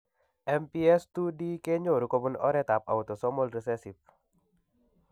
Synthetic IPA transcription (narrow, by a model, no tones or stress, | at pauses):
ʔɛmpiɛst̪udikeɲoɾukɔbunɔ̰ɾɛt̪ap̚a̰ut̪osɔmɔlɾɛsɛsif̚